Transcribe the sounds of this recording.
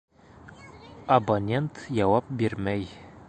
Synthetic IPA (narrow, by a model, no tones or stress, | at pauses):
ɐbonʲent̪jɒwɑp̚biɾmæj